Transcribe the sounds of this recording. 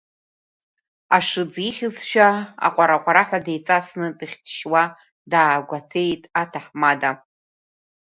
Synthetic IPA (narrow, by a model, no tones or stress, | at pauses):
aʂɨd͡ziχʲɪzʃᶣaa̰qʷʼaɾaqʷʼaɾaħʷᶣadejt͡sʼasnɨtʼɨχʲtʰʃwa | daːɡʷatʰe̞jtʼatʰaħmada